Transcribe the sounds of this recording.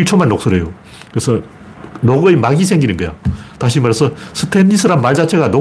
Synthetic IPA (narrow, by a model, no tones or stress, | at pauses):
iɭt͡ɕʰomanːok̚s͈oɾejo | kɯɾesʰʌ | noɡɯemaɡisʰe̞ŋɡinɯnɡʌjo̰taɕ̬ʰimaɾesʰʌsʰɯtʰenːisʰɯɾamːaɭd͡ʑat͡ɕʰeɣano